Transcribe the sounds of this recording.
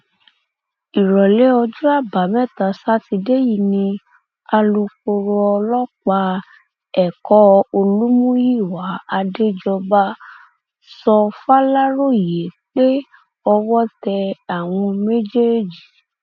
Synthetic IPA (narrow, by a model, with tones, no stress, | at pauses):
i˨ɾɔ˨le˨˦ɔ˧d͡ʒu˦a˦˨ba˨˦mɛ̃˦˨ta˨˦sa˦ti˧de˦ji˦˧˨nĩ˧ | a˧lu˧ko˧ɾo˧ɔ˧lɔ˦k͡pa˧ | ɛ˦˨kɔ˦o˧lu˦mũ˦ji˦˨wa˨˦a˧de˦d͡ʒɔ˧ba˦ | sɔ˧fa˦la˦ɾo˦˨je˨˦k͡pe˦ | ɔ˧wɔ˦tɛ˧a˨w̃ɔ̃˧me˦d͡ʒe˦˨d͡ʒi˨